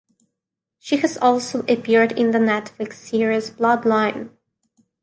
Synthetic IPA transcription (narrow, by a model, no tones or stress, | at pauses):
ʃihɨzɔlˠsoʊʔɨpɪɹɾɪ̃nðənɛtflɨksiɹiɨsb̥lɑdˡlãɪ̃n